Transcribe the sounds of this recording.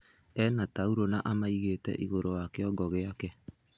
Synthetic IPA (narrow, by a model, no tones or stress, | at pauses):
ɛnatauɾonaʔamaiɣeːtɛ̰ʔiɣoɾowakeɔɡɔɣeakɛ